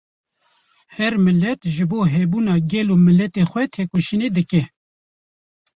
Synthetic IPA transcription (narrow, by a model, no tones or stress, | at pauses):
hɛɾmɨlːɛt̪ʒɨboːɦɛbuːnɑːɡɛloːmɨlːɛt̪eːxʷɛt̪ʰeːkoʃineːd̪ɨkɛ